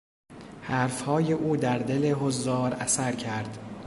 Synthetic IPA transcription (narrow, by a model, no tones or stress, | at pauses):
hæːɾfhɒːjeʔuːd̪æɾd̪ele̞ɦozːɒːɾæsæɾcʰæɾd̪̥